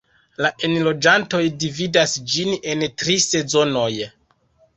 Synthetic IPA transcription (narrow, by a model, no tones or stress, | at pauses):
laʔenlo̞d͡ʒanto̞jdividasd͡ʒine̞ntɾise̞zo̞no̞j